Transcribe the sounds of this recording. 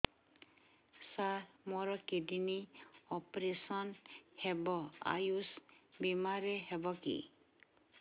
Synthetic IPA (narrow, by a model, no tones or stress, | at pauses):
samɔɾɔkediniɔpɾesɔnhɛbɔa̰jusbimaɾɛɦɛbɔkḭ